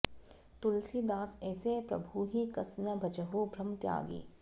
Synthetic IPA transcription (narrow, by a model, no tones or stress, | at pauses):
t̪ʊlsid̪aːsɛːsepɾɐ̰bʱuɦikɐsnəbʱɐt͡ʃəɦobʱɾɐmt̪ja̰ːɡḭː